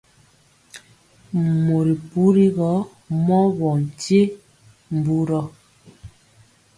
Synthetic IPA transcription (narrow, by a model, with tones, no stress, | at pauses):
mo˨ɾi˨pu˦ɾi˦ɣɔ˨˦ | mɔ˦βɔ˨n˨tje˦ | m˨bu˦ɾɔ˦